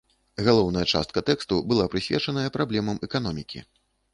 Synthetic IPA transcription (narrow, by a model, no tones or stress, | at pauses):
ɣalˠɔwnɐjɐt͡ʂa̰st̪̚kɐt̪ɛkst̪ubɨlˠapɾɨsʲvʲɛ̰t͡ʂɐnɐjɐpɾablʲɛmɐmɛkan̪ɔmʲikʲḭ